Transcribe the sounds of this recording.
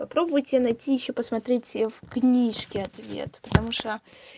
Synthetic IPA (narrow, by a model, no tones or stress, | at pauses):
pɐpɾo̞bvʊjtʲɪnɐjtʲijɪɕːopəsmɐt̪ɾʲetʲfknʲiʂkʲɪɐt̪vʲḛt̪pə̥t̪ɐmuʂt̪o